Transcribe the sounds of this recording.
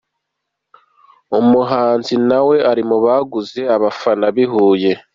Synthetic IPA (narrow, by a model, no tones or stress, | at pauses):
umuɦaːnzinawe̞aɾimuβaɡuze̞aβafanaβiɦuːje̞